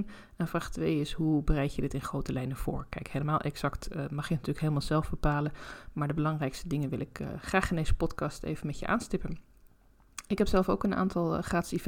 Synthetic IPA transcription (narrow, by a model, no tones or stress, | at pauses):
n | ɛnvraːχtʋejɪsɦubərɛjkjədɪtɪnχrowtəlɛjnəv̥ʊ̰ːɹkɛjkɦeləmaːlˠʔɛksɑktmɑχjənatyːləkɦejləmaːlˠzɛlˠvbəpaːlənmaːɹdəbəlɑŋrɛjkstədɪŋənʋɪlɪkːχraːχɪndejz̥əpɔtkɑstḛjvənmɛtjə̰ʔa̰ːnstɪpən | ɪkɦɛpsɛlˠfowkəna̰ːntɑlˠχaːtsiv